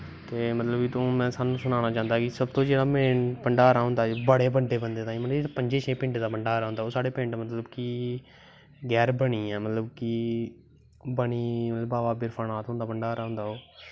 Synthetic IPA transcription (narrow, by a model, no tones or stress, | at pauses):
t̪eːmət̪ləbiːt̪õːmɛ̃ːsaːnːũːsʊnaːnaːt͡ʃãːnd̪aːkɪsəb̚t̪õːd͡ʒeːɽaːmeːnpəɳɖaːɾaːɦʊ̃nd̪aːbəɽeːbəɳɖeːbənd̪eːt̪ãːĩːmət̪lət̪ːpəɲd͡ʒeːʃeːpɪ̃ɳʈd̪aːpəɳɖaːɾaːɦʊ̃nd̪aːoːsaːɽeːpɪ̃ɳʈmət̪ləbkiː | ɡɛːɾbəɳiːɛːmət̪ləbkiː | bəɳiːmət̪ləbaːʋaːbɪɾpʰaːnaːt̪ɦʊ̃nd̪aːbəɳɖaːɾaːɦʊ̃nd̪aːɦoː